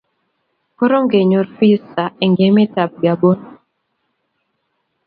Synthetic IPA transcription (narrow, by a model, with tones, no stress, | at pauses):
ko˦ɾo˦ŋɡe˨ɲo˨ɾfi˦sa˨e˨ŋɡe˨˦me˦ta˨b̚ɡa˨bo˦n